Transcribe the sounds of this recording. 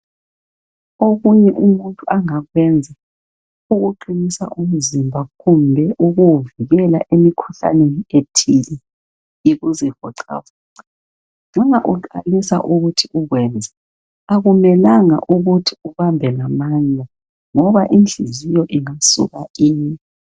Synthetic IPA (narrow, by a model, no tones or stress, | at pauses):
oɣuɲɛʔumuntʼuʔaŋaɣwɛnd͡zʱa | uɣuǃinisa̰ʔum̩zimbʱaɣumbʱɛʔuɣuviɣɛla̰ʔemikʰuɬa̰nenietʰili | iɣuzihɔ̰ǀʰa̰wɔːŋ͡ǀa | ŋ͡ǁɔŋaʔuǃalisa̰ʔuɣutʰiʔuɣwɛnd͡zʱɛ | aɣumɛlaŋa̰ʔuɣutʰi̥uβambʱɛlamand͡ɮʱa | ŋɔβaʔind͡ɮʱizijɔʔiŋasṵɣaiːɲɛ